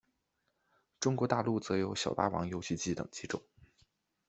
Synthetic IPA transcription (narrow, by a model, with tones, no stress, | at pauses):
ʈ͡ʂʊ˥ŋkwɔ˧˥t̪a˥˧lu˥˩t͡sɤ˧˥jo˧˥ʊɕjɑ˨˩ʊt̪a̰˥˩wɑ̰˧˥ŋjo˥ʊɕi˥˧t͡ɕi˥˩t̪ɤ̰˨˩ŋt͡ɕi˧˥ʈ͡ʂʊ̰˨˩˦ŋ